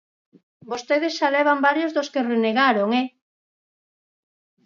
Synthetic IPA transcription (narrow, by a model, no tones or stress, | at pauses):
bost̪eðesʃaleβ̞ambaɾjozðoskereneɣaɾoŋe